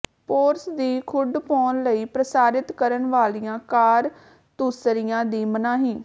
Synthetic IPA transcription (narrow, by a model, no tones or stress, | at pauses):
poːɾsd̪iːkʰʊɖ̪pɔːnləiːpɾəsaːɾɪt̪kəɾənʋaːlijãːkaːɾ | t̪uːsɾɪjãːd̪iːmənãːɦĩː